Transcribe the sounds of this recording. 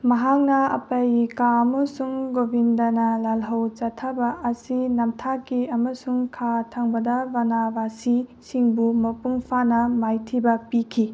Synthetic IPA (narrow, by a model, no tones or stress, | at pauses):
mɐɦak̚nɐɐ̰pɐjikaɐmɐsuŋɡobʱindɐnɐlalɦɐwt͡ʃɐtʰːabɐʔɐsinɐmtʰakiɐmɐsuŋkʰatʰɐŋbɐdɐbɐnabasi | siŋbumɐpuŋpʰanɐmajtʰibɐpikʰi